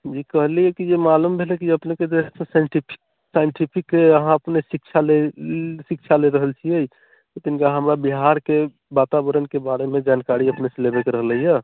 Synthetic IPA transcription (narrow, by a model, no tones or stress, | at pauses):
d͡ʒikəɦlijəkid͡ʒemalumbʱelɛkiəpneked̪esẽsaiʈipʰi̥k | sajɳʈipʰikːeəɦãəpnesik̚t͡ʃʰalesik̚t͡ʃʰaleɾəɦəlt͡ʃʰiej | t̪ot̪inkaɦəmɾabiɦaɾke | bat̪abəɾənkebaɾemed͡ʒankaɾiəpnesẽlebekeɾəɦləɦijə